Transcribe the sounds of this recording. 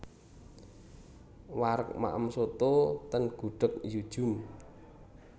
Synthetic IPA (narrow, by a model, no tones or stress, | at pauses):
waɾək̚ma̰ʔə̰msot̪ot̪ənɡ̥ṳɖ̥ə̤k̚jud̥ʒ̥ʊ̤m